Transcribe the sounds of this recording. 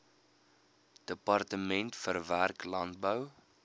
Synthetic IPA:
d̥əpɑrtəmɛntfərværklɐnt̚bəw

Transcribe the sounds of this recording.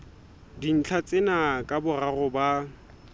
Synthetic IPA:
din̩t͡ɬʰat͡sʼɪnakʼabʊrarʊba

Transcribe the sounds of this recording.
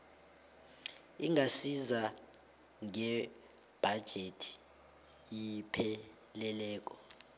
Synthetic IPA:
iŋasiza | ŋɛ | b̥ʱad̥ʒ̥ʱetʰi̥ | ipʰɛ | lɛlɛːk̬ʼɔ

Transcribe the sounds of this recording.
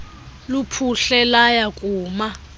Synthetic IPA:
lupʰuɬɛlajakʼuːma

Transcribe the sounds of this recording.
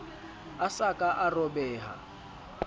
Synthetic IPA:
asakʼaʔarɔbɛːɦa̰

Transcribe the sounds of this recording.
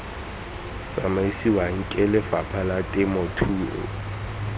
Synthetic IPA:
t͡sʼamaisiwaŋ̩kʼɛlɪfa̰pʰalatʼɪmɔtʰuːʔʊ̰

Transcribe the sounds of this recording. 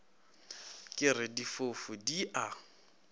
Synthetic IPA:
kʼɪrɪdifofʊdiʔa

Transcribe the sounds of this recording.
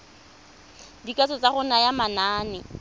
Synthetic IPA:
dikat͡sɔt͡sʼaχʊnajamanaːnɪ

